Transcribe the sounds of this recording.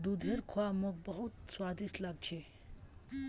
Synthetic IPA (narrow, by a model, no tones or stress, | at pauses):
d̪ud̪ʱeɾkʰoamõk̚bəɦut̪swad̪ʱiʃlaɡ̚t͡ʃʰe